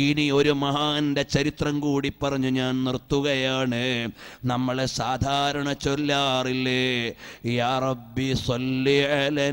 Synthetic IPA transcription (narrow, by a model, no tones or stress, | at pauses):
inio̞ɾumɐɦaːnde̞t͡ɕɐɾit̪rɐmkuːɽipːɐrɐɲːuɲaːnnirt̪ːuɣɐjaːɳɨnɐmːɐɭsaːd̪ʱaːɾɐɳɐt͡ɕolːaːrilːe | jaːrɐbːisɐlːiɐlɐ